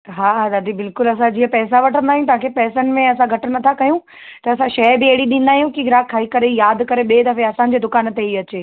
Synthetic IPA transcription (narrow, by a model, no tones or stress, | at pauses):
ɦaːɦad̪ɐd̪ibɪlkʊlɐs̬ãd͡ʑiːɦə̃pɛːs̬aʋɐʈʰə̃nd̪aːɦjũt̪ɐɦãkʰepɛːsənɪ̆mẽɐsãɡʱɐʈənɐt̪ʰakɐjũ | t̪ɐɐsãʃɐbɪɐɦɪɽiɗĩn̆d̪aːɦijũkiɡɾaːkʰːaːikɐɾejaːd̪kɐɾeɓeːd̪ɐfeɐsãːd͡ʑeːd̪ʊkaːnət̪eiɐt͡ɕeː